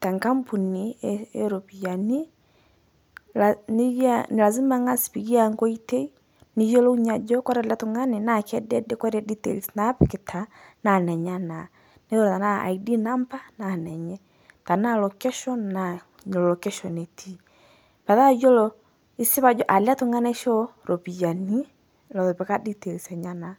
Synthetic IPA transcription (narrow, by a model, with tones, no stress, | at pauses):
ta˨ŋka˦mpu˨niɛɛ̰ɾɔpi˨jani | aniane˨la˨zi˦maŋa˦si̥piɣi˦aŋɡɔ˦i˦tɛ˦i˦ | ni˨jɔ˦lɔ˦u˦ɲa˨d͡ʒɔkwa˦ɾa˦latu˨ŋa˦nɛnakɛ˦dɛdɛkwaɾɛditɛ̰˨lsnapke˨tʰa | na˨nɛ˨ɲana˨ | ne˦o˦lɔ˨ta˨na˦a̰˨i˨di˦na˦mpa˦na˨nɛ˨ɲɛ˦ | ta˨na˦lɔ˨kɛ˦ʃɔ˦nːa˨ | ɲ˨lɔ˨lɔ˨kɛ˦ʃɔ˨ne˨tʰi˦ | pa˨ða˦jɔ˦lɔ | i˦sɪ˦βa˨d͡ʒɔ˦ʔa˨la˦to˨ŋa˦na˦ʃɔ˦ɾo˨pi˨ja˨ni˦ | lɔ˨ðɔ˨pɛ˨ka˦di˦tɛ˨lsɛ˨ɲa˦na˨